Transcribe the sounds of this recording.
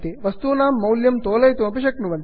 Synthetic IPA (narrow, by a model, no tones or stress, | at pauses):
t̪iʋɐst̪uːnaːmːɐwljɐmt̪oːlɐjt̪uʋɐpiʃɐknuʋɐn